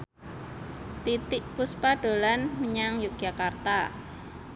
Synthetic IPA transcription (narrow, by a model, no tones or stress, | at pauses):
t̪it̪ɪk̚puspaɖ̥olanməɲaŋjuk̚ʒ̥akart̪a